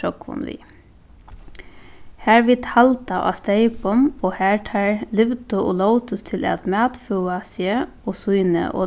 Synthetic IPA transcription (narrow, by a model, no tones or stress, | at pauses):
ɔkʰʊ̰nʋḭ | hæːɹʋit̪halt̪aʔa̰ːst̪eɪpʊmoːhæːɹʈʰæːɹlɪʋt̪ʊoːloʊt̪ʊst̪ʰɪlʔɛ̰t̪mæːt̪fuːasjeː | oːsujnə̰ʔo̰